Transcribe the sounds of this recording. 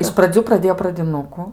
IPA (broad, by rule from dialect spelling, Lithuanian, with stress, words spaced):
ɪʃ prɐˈd͡zʲuː prɐˈdʲeːjoː prɐdʲɪˈnʊkʊ